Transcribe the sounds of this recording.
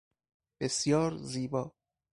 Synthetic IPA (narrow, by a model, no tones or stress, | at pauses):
b̥esjɒːɾziːbɒː